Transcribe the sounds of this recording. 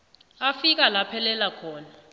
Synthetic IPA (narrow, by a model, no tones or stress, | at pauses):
afik̬alapʰɛlɛlakʰɔːna